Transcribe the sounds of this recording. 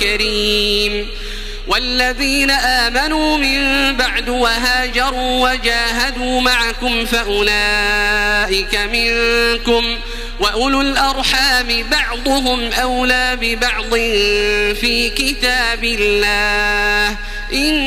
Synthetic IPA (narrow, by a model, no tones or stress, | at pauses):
aɾiːm | walːaðiːnaʔaːmanuːmɪmbaʕd̪waɦaːd͡ʒɑɾˤuːwad͡ʒaːɦad̪uːmaʕakʊmfaʔʊla | ʔɪkamɪŋkʊm | waʔʊlʊlʔɑɾˤħaːmɪbɑʕd̪ˤʊɦʊmʔawlaːbɪbɑʕd̪ˤɪnfiːkɪt̪aːbɪlːaːh | ʔɪn